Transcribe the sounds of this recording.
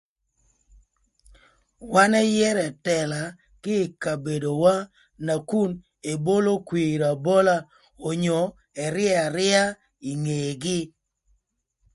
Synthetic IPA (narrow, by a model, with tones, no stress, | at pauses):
wa˦nɛ˦jɛ˦ɾɛ˨tɛ˨la˨ | kɪ˦˨ka˨be˨do˨wa˦ | na˨ku˦n | e˨bo˦lo˦kwi˨ɾa˨bo˦la˦ | o˨ɲɔ˨ | ɛ˨ɾɪ˦ɛ˦a˨ɾɪ˦a˦ | i˨ŋe˨ɡɪ˦